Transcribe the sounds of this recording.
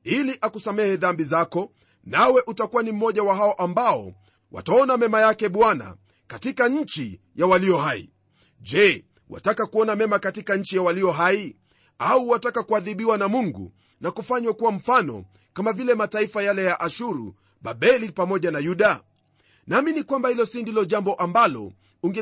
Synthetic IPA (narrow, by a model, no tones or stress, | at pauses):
iliʔakusamɛhɛðambizakɔ | nawɛʔutakuwanim̩mɔʄawaɦaɔʔambaɔ̰ | wa̰taɔnamɛmajakɛɓwana̰ | katikaɲ̩t͡ʃi | jawaliɔhaḭ | ʄɛ | wʔa̰takakuɔnamɛmakatikaɲ̩t͡ʃijawaliɔɦai | auwatakakuaðiɓiwanamuŋɡṵ | nakufaɲwakuwam̩fanɔ̰ | kamavilɛmataifajalɛjaʔaʃuɾṵ | ɓaɓɛlipamɔʄanajuɗa | naminikwambahilɔsindilɔʄambɔʔambalɔ̰ | uŋɡɛ